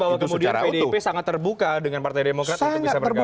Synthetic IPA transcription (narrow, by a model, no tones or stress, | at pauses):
bawakəmudiapedepesaŋat̪ːərbukadəŋanpart̪ajdemokɾat̪aŋbisabərɡ